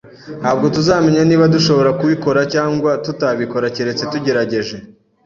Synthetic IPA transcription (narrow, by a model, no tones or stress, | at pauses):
haːb̚ɡo̞tuzaːme̞ɲaniːβaduʃo̞βo̞ɾakuβiko̞ɾacaːŋɡwatutaβiko̞ɾaceɾe̞t͡se̞tuɟe̞ɾaɟe̞ʒe̞